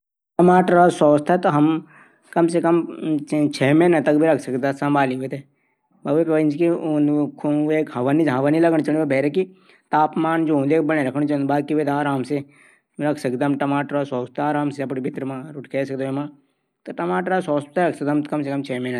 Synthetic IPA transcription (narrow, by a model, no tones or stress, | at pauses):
ʈɐmaːʈɾasɔːst̪ʰet̪oɦɐm | kɐmsekɐm | t͡ʃʰeːmeːnɐt̪ɐk̚bʱiɾɐkʰsɐkd̪asɐ̃mbʱaːliɦuet̪e | bɐʋepʋənd͡ʒkiũkʰueːkɦɐʋaniɦɐʋaːnilɐɡəɳ̃t͡ʃɐnbebʱɛːɾeki | t̪aːpmaːnd͡ʒoːũnd̪eːk̚bɐñẽɾɐkʰəɽ̃t͡ʃ̪baːkiɦuet̪aːɾaːmse | ɾɐkʰsɐkd̪ɐmʈɐmaːʈɾasɔːst̪ʰaːɾaːmseɐpɽibʱɪt̪ɾmãɾʊʈkʰeːsɐk̚d̪oemãː | t̪oʈɐmaːʈɾasɔːst̪aɾɐksɐt̪mkɐmsekɐmt͡ʃʰɛːmena